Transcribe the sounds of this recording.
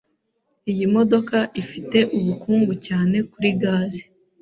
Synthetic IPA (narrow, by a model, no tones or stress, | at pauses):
ijimo̞do̞kaʔifite̞ʔuβukuːŋɡucaːne̞kuɾiɡaːzi